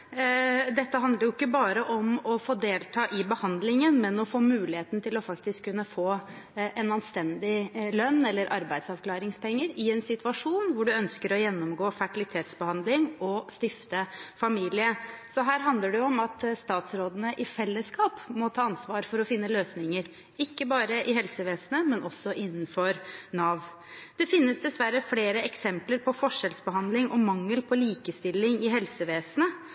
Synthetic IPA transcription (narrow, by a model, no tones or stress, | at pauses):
d̪ɛt̪ːəɦɑnd̪ləɾjʊɪkːəbɑːɾəʔɔmɔfoːd̪eːlt̪ʰɑːʔɪbəhɑnd̪lɪŋənmɛnɔfoːmʉːlɪheːt̪n̩t̪ʰɪlɔfɑkt̪ɪskʰːʉnːəfoː | ɛnɑnst̪ɛnd̪ɪlœnːɛlːəɾʔɑɾbæɪd̪sɑʋkʰlɑːɾɪŋspʰɛŋːəɾɪɛnsɪt̪ʰʉʋɑʂuːnʋʊɖʉœnskəɾɔjɛnːɔmɡoːfæʈɪlɪt̪ʰeːt̪sbəhɑnd̪lɪŋɔst̪ɪft̪əfɑmiːlɪəsɔɦæːɾɦɑnd̪ləɖɛʊɔmɑt̪st̪ɑːt̪sɾoːd̪ənəʔɪfɛlːəskɑːpmɔt̪ʰɑːɑnsʋɑːɾfɔɾɔfɪnːəløːsnɪŋəɾ | ɪkːəbɑːɾəʔɪɦɛlsəʋeːsənəmɛnʔɔsːɔʔɪnːənfɔɾnɑːʋ | d̪̥ɛfɪnːəsd̪ɛsʋæɾəfleːɾəɛksɛmpləɾpʰɔfɔʂɛlsbəɦɑnd̪lɪŋʔɔmɑŋːəlpʰɔliːkəst̪ɪlːɪŋɪɦɛlsəʋeːsənə